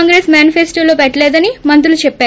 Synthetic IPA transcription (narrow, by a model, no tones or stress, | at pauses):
ŋɡɾeːsmjaːnifʰesʈoːloːpɛʈːɐleːd̪ɐnimɐnt̪ɾulut͡ʃɛpːaːɾ